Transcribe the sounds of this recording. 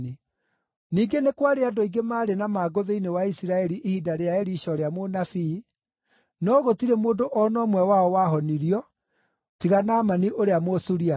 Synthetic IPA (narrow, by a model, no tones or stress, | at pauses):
i | niːɡenekwaɾeadɔiɡemaːɾenamaːɡoðeinewaisiɾaɛɾiʔehidaɾeaɛɾiɕɔɾeamonafiː | nɔɣotiɾemoːndoʔɔnɔmwɛwaɔwaɦɔniɾiɔ | tiɣanaːmaniʔoɾeamosuɾia